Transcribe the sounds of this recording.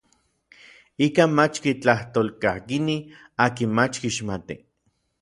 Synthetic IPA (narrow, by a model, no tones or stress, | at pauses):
ikanmat͡ʃkit͡ɬaht̪oːlkahkini | aːkinmat͡ʃkiʃmat̪ḭ